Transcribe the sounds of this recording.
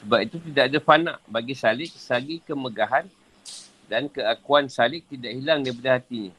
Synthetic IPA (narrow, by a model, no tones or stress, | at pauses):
səbap̚it̪ut̪idaʔadafanã̰ʔbaɡisalɪʔ̚saɡikəməɡaɦan | dankəakuansalɪʔ̚t̪idaʔhilaŋdajp̬adahat̪iɲa